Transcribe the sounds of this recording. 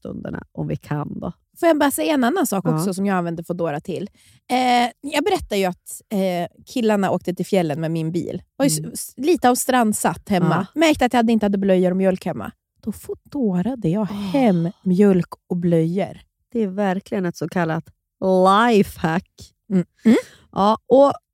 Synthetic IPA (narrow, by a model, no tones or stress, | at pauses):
st̪ɵ̰nd̪ə̰ɳa̰ʔɔmvɪkʰa̰nd̪ɔ̰ | foːjabɑːɾasɛjːaɛnːanːansɑːkɔksɔsɔmjɑːɡanvɛnd̪əfɔd̪oːɾat̪ʰɪlː | jɑːɡ̚bɛɾɛt̪ːajɵat̪ | kʰɪlːaɳaʔoːkt̪ət̪ɪlfjɛlːənmɛmɪnbḭːlvajɵliːt̪əavst̪ɾand̪sat̪ːhɛmmːamæɾkt̪əat̪jahad̪əɪnt̪əhad̪ːəblœjːəɾɔmjœlkhɛmːa̰ | d̪̥ɔfɔd̪oːɾad̪əjɑːɡhɛmːmjœlkɔblœjːə̰ɾ | d̪̥ɛæɾvæɾklɪɡənɛt̪sɔkʰalːa̰t̪ | lajfhakː | ʔɑːɔ